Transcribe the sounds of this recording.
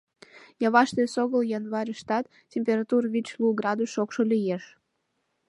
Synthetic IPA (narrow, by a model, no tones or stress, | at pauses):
jɑβɑʃt̪esoɣəljɑnβɑɾʲəʃt̪ɑt̪ | tʲːemʲpʲeɾɑt̪urβit͡ɕluɡrɑd̪usokʃolʲijeʃ